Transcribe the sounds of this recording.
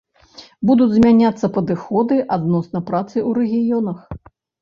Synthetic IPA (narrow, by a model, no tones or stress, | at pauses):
bud̪ud͡zʲzʲmʲanʲat̪sːɐpɐd̪ɨxɔd̪ɨʔad̪nɔsnɐpɾat̪sɨuɾɛɣʲijɔnɐx